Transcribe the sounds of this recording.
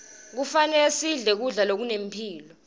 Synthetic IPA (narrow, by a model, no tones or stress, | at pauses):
k̬ufanɛsiɮɛk̬uɮalok̬unempʰiːlɔ